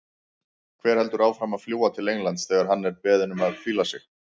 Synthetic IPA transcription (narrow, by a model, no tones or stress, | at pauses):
kʰvɛːɾ̥hɛlt̪ʏɾaːwfɾamaðfljuːwat̪ʰɪleːjnlant̪sθɛːɣaɾ̥ɦanːɛɾpɛːðɪnʏmaðfiːlasɪ̰x